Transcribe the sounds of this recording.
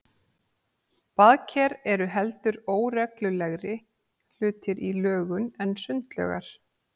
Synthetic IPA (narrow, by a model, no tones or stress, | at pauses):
paðcʰɛɾɛɾʏɦɛlt̪ʏɾoːwɾɛklʏlɛɣɾɪ | l̥ʏːt̪ɪɾʔilœːɣʏnɛnːsʏnt̪lœ̰ɣa̰ɾ̥